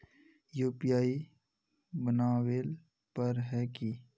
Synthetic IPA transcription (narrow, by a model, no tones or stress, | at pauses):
juːpijaːi | bənaːweːl | pəɾɦɛːki